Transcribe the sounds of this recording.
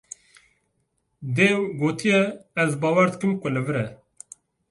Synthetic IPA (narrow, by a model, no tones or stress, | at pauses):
d̪eːɡoːt̪ʰijɛːzbɑːwæɾd̪ɨkɨmkʷʊlɨvɨɾɛ